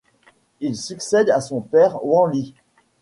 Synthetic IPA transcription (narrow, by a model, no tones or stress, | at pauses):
ilsyksɛd̪asɔ̃pɛʁwɑ̃li